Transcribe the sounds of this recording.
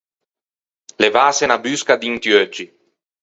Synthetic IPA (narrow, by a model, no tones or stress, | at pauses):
levaːsenabyskad̪int̪jød͡ʒi